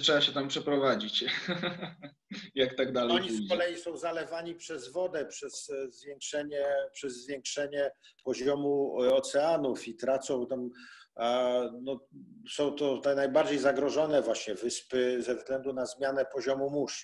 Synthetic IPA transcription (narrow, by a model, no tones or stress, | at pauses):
tʂɛbaɕɛt̪ampʂɛpɾɔvad͡ʑit͡ɕ | jakt̪aɡd̪alɛɔɲiskɔlɛjisɔ̃w̃zalɛvaɲipʂɛzvɔd̪ɛpʂɛzzvjɛŋkʂɛɲɛpʂɛzːvʲjɛŋkʂɛɲɛ | pɔʑɔmuɔt̪sɛanufit̪ɾat̪sɔ̃w̃t̪am | nɔsɔ̃w̃t̪ɔajnajbaɾd͡ʑejzaɡɾɔʐɔnɛvwaɕɲɛvɘspɘzɛvzɡlɛnd̪unazmʲjanɛpɔʑɔmumuʂ